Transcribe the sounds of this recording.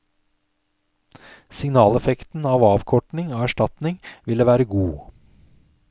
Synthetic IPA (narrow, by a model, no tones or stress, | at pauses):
sɪŋnɑːlɛfɛkt̪n̩ɑːʋɑːʋkʰɔʈɳɪŋoːæʃʈɑt̪nɪŋʋɪləʋæːɾəɡuː